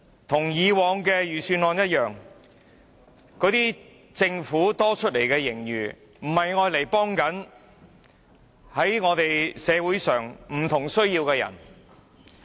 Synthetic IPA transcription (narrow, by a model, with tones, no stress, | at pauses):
t̪ʰʊ˨˩ŋjiː˨˧wɔː˨˧ŋkɛː˧jyː˨syː˧nlɔː˨˧njɐ˥t̚jœː˨ŋ | kɔː˨˥t̪iː˥ | t͡sɪ˧ŋfuː˨˥t̪ɔː˥t͡ʃʰɵ˥t̚le˨˩jkɛː˧jɪ˨˩ŋjyː˨˩ | m̩˨˩hɐ˨jŋɔː˧jle˨˩jpɔː˥ŋkɐ˨˥n | hɐ˨˥jŋɔː˨˧t̪e˨jsɛː˨˧wuː˨˥jsœː˨ŋm̩˨˩t̪ʰʊ˨˩ŋsɵ˥ɥjiː˧wkɛː˧jɐ̰˨˩n